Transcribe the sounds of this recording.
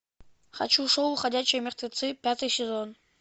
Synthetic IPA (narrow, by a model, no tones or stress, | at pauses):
χa̰t͡ɕuʂowuχadʲæt͡ɕːojmʲeχt̪ʲvʲet̪sɨpʲat̪ɨjsʲezon